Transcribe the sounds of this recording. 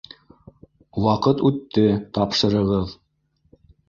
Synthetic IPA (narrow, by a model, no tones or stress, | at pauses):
wɑqɤt̪ʉt̪ːɘt̪ɑpʃɤ̆ɾɤ̆ʁɤð